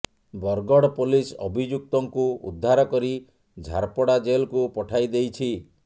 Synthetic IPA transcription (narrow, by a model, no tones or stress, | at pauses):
bɔɾɡɔɽɔpolisɔbʱid͡ʒuk̚t̪ɔŋkuṵd̪ʱːaɾɔkɔɾi | d͡ʒʱa̰ɾpɔɽad͡ʒelkupɔʈʰajd̪ejt͡ʃʰi